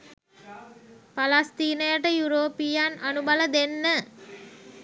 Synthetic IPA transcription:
palast̪iːnəjəʈəjuɾoːpijanʔanubaləd̪enːə

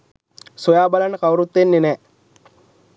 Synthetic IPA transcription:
sojaːbalanːəkawɾut̪ːenːenɛː

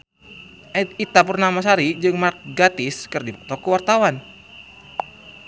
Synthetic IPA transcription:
it̪apurnamas̬aɾid͡ʒɨŋmarɡat̪ɪskərdipək̚t̪ɔkəwart̪awan

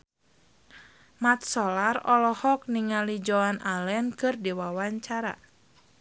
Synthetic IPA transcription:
mat̪̚sɔlarɔlɔhɔk̚niŋalid͡ʒɔanʔalɛnkɨrdiwawaɲt͡ʃaɾa̰

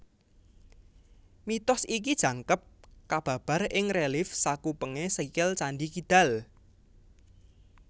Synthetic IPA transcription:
mit̪ɔsik̬id̥ʒ̥ä̤ŋkəp̚kab̥ä̤b̥ä̤rɪŋrelɪfsakupəŋesikɪlt͡ʃanɖikid̪̥a̤l

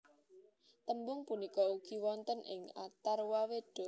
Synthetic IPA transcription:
t̪əmbʊŋpunikɔuɡ̥i̤wɔnt̪ənʔɪ̰ŋa̰t̪arwawed̪̥o̤

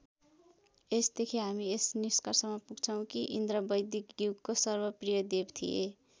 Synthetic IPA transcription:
esd̪ekʰiɦamiesniskarsʌmːʌpuɡt͡sʰʌw̃kiʔḭnd̪ɾʌbʌjd̪ikɡuɡkosʌrbʌprijʌd̪ebt̪ʰḭḛ

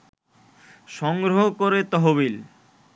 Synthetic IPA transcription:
ʃɔŋɡɾoɦokoɾet̪ɔɦoβil

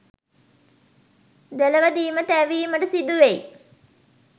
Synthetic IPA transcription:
d̪elɐʋɐd̪iːmət̪æʋiːməʈəsid̪ːuʋej

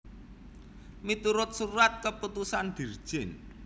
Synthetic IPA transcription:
mit̪uɾʊt̪̚suɾat̪̚kəput̪usand̪̥i̤rd̥ʒ̥ɪn

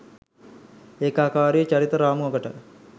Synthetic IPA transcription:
ekaːkaːɾijət͡ʃaɾit̪əɾaːmuɦəɡəʈə

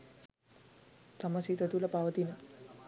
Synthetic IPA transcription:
t̪amasit̪ət̪ulapaʋət̪inə

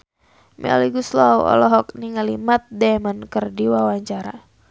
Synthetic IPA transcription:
mɛ̰liɡuslawɔ̰lɔɦɔk̚niŋalimat̪̚dɛmənkərdiwawaɲt͡ʃaɾa

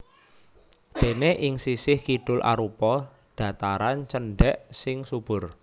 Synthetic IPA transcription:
ɖ̪̥e̤neʔɪŋsisɪhkiɖ̥ʊlʔa̰ɾupɔ | ɖ̥a̤t̪aɾant͡ʃənɖɛʔsɪŋsub̥ʊ̤r

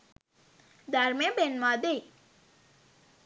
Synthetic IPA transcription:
d̪ʱaɾmẽbenmãd̪ei

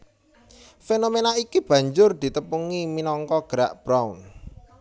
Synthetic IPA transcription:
fenomenaikib̥ä̤ɲd͡ʒʊrd̪̥i̤t̪əpuŋiminɔŋkɔɡ̥ɾa̰ʔb̥ɾaun

